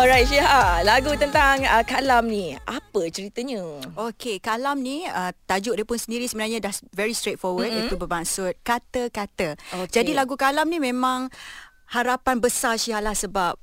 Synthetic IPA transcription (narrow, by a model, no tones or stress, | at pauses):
ɔɾajt̪̚ʃiɦalaɡut̪ənt̪aŋəkalamnĩʔapət͡ʃəɾit̪əɲəokekalamniət̪ad͡ʒuʔdəpʊnsəndiɾisəbənarɲãdahvɛɾist̪ɾet̪̚fɔwəd̚ĩt̪ubəbaŋsʊt̪̚kat̪əkat̪əod͡ʒadilaɡukalamnimẽmãŋ | haɾapanbəsasiɦalahsəbap̚